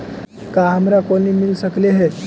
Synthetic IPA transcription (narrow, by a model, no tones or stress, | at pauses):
kaɦəmɾakonimilsəkleɦe